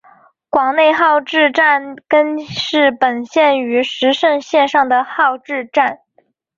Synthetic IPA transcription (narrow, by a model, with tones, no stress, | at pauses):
kwɑ˨˩ŋne˥˧ɪxɑ˥˧ʊʈ͡ʂɻ̩˥˧ʈ͡ʂa˥˩nkə˥nʂɻ̩˥˩pə˨˩nɕjɛ˥˩ny˧˥ʂɻ̩˧˥ʂə˥˧ŋɕjɛ˥˧nʂɑ˥˩ŋd̪ə˩xɑ˥˧ʊʈ͡ʂɻ̩˥˧ʈ͡ʂa˥˩n